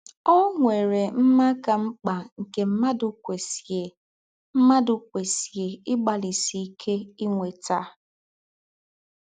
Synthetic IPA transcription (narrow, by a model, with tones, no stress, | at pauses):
o˦ŋʷe˨ɾe˨m̩˦ma˦ka˨ŋ͡m̩˦k͡pa˨ŋ̩˨ke˨m̩˦ma˦dʊ˨kʷe˨se˨ | m̩˦ma˦dʊ˨kʷe˨si˨e˨ɪ˦ɡ͡ba˨li˨si˨˦kʰe˦i˦ŋʷe˨ta˦